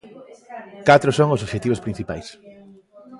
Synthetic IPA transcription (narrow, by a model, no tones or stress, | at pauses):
kat̪ɾʊsoŋosoβʃet̪iβospɾĩn̟θipa̰js